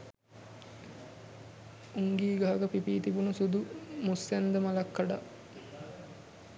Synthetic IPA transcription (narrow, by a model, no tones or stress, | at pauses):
uŋɡiːɡaɦaɡəpipiːt̪ibunusud̪umusːænd̪əmalɐkːaɖaʔ